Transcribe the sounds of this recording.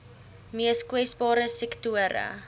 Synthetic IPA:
miəskwɛsbɑːɾəsɛktuəɾə̰

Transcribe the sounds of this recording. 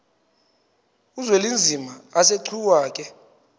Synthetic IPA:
uzwelind͡zʱimaaseǀʰuwaːk̬ʼɛ

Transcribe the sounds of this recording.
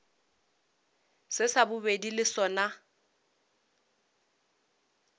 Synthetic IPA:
sɪsabʊbedilɪsɔna

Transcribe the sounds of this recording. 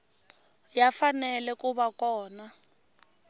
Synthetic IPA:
jafanɛlɛkʼuβakʼɔːna

